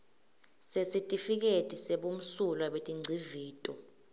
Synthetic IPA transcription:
sesitʼifik̬etʼiseɓum̩sulwaɓetʼiŋ͡ǀʱiviːtʼɔ

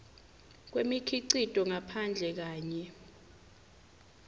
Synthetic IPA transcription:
k̬wemikʰiǀid̥ʱʼɔŋapʰand͡ɮʱɛk̬aːɲɛ

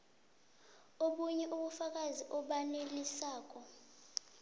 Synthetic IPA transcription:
oɓuɲɛʔuɓufak̬aziʔɔɓanelisaːk̬ɔ

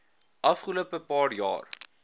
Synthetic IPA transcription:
ʔɐfχəluəpəpɑːrjɑ̰ːr

